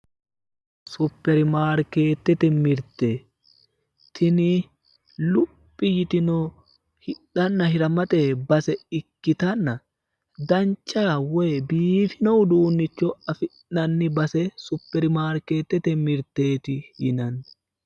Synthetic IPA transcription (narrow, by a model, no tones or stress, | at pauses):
sʊpːɛɾɪmaːɾke̞ːt̪ːɛt̪ɛmɪɾt̪eː | t̪ʰɪnɪ | lʊpʼːɪjɪt̪ɪnɔ | hɪᶑɐnːɐɦɪɾɐmɐt̪ʼɛbɐsɛɪkːɪt̪ɐnːɐ | d̪ɐnt͡ʃːaːwɛːbiːfɪnɔwd̪uːnːɪt͡ʃːɔɐfɪʔɐnːɪbɐsɛsʊpːɛɾɪmaːɾke̞ːt̪ːɛt̪ɛmɪɾt̪ːe̞ːt̪ɪjɪnɐn